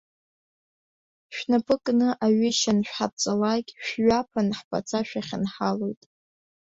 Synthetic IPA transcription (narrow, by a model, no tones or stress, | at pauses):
ʃᶣnapʼɨkʼnɨʔaɥɪʃanʃᶣħap̚t͡sʼalakʲʼʃᶣɥapʰanħpʼa̰t͡sʰʼaʃᶣaχʲɪnħalo̞jtʼ